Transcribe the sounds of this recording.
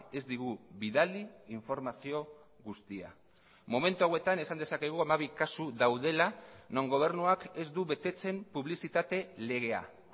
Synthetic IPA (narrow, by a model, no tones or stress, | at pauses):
e̞zd̪iɣ̞uβiðaliːɱfo̞ɾmasio̞ | ɣust̪ia̰ | mome̞nt̪uawe̞t̪ane̞sand̪esake̞ɣ̞uamaβ̞ikasuðawðe̞lano̞ŋɡo̞β̞e̞ɾnuake̞zd̪uβe̞t̪e̞t͡se̞mpuβ̞lisit̪at̪e̞le̞ɣ̞e̞a̰